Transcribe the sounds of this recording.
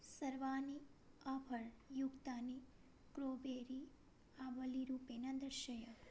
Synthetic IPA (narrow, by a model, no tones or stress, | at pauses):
səɾʋani | apʰəɭjuɡt̪ani | kɾobeɾi | aʋəliɾupenad̪əɾʃəja